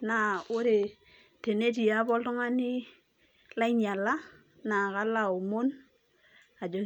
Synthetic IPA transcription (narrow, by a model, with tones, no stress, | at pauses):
na˨o˦ɾe˨ | te˨ne˦t̬i˨a˦bɔ˦ltɔ˦ŋa˦ni˦ | la˦i˦ɲa˨lːa˦ | na˨ka˦la˦o˨mo˦n | a˨d͡ʒo˨